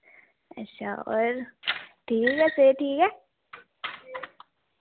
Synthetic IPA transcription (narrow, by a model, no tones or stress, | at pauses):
əɕʰa̰ɔ̰ːɾʈʰiːkɦɛseʈʰiːkɦɛ